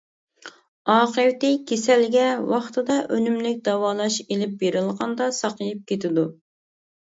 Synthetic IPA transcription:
ɑːqəwt̪ɪkʲʰesɛlɡʲɛwɑχt̪ɨd̪ɑʔønymlɪk̚ʲd̪ɑwɑːlˠɑʃelɪp̚beɾɨlˠʁɑnd̪ɑsɑqəjip̚kʲet̪ʰɪd̪u

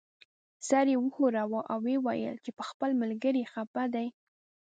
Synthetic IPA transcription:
sɑɾewəxoɾawoʔawːewa̰jə̰lt͡ʃepəxpəlmalɡəɾixapad̪aj

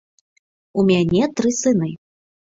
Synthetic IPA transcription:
umʲanʲɛt̪ɾɨsɨnɨ

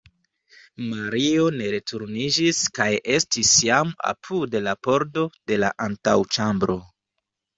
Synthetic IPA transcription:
maɾio̞ne̞ɾe̞tuɾnid͡ʒiskajʔe̞stisjama̰pʰudelapo̞ɾdo̞de̞la̰ʔantawt͡ʃambɾo̞

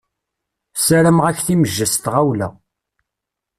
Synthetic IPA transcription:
sæɾəmʁæçθiməʒːəst̪ʁawlæ̰

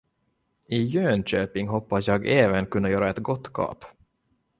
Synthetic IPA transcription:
ɪjøːnɕøːpɪŋɦɔpːasjɑːɡeːvənkʰɵnːajœːɾaɛt̪ɡɔt̪ːkʰɑ̰ːp

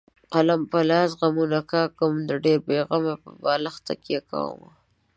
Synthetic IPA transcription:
qalampalɑːs̬ɣamunakɑkəmd̪əɖeɾbeɣamapəbɑlaxt̪a̰kaka̰w̰ma̰

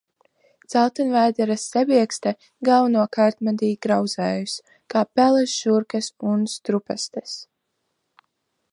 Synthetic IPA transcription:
t̪sælˠt̪ɨnvæːd̪ɛɾasʲːɛbiɛkst̪ɛ | ɡawnuɔkaːɾt̪mad̪iːɡɾawd̪zɛːjus | kaːpɛlˠɛsʒ̥uɾkasunst̪ɾupɛst̪ɛs

